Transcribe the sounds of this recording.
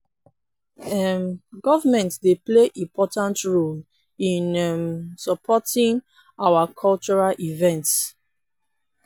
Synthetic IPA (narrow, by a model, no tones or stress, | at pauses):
ɛmɡɔvamɛ̃ntdepleʔĩmpʰɔtãntɹol | ĩnɛmsɔpʰɔtĩŋ | awakʰɔlt͡ʃɔɹalʔivɛ̃nts